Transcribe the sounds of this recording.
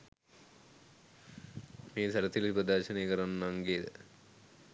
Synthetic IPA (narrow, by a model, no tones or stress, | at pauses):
meːsæɾət̪ilipɾəd̪aːɾʃənejəkəɾanːaŋɡeːd̪ə̰